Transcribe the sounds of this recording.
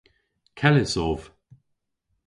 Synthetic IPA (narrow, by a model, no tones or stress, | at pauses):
kʰɛlɪsɔːv̥